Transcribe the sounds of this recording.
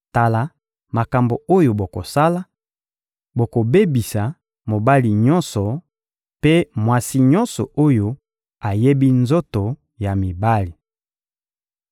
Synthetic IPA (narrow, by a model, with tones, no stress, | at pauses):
ta˨la˨ | ma˨ka˨mbo˨o˦jo˨bo˨ko˨sa˦la˦ | bo˨ko˨be˦bi˨sa˨ | mo˨ba˦li˨ɲɔ˦nsɔ˨ | pe˦mwa˦si˦ɲɔ˦nsɔ̰˨o˦jo˨ | a˨je˦bi˦nzo˦to˨ | ja˨mi˨ba˦li˨